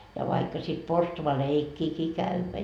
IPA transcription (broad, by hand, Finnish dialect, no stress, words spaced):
jɑ ʋɑikːɑ sit porstuʋɑleikːiːkiː kæʋːæ